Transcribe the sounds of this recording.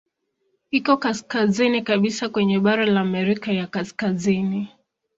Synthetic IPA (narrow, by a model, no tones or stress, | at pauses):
ikɔkaskazinikaɓisakwɛɲɛɓaɾalaːmɛɾikajakaskazini